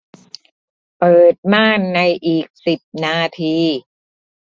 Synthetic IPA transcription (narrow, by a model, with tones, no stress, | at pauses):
pɤː˨˩t̪̚maː˥˩nːa˧jʔiː˨˩k̚si˨˩p̚naː˧t̪ʰiː˧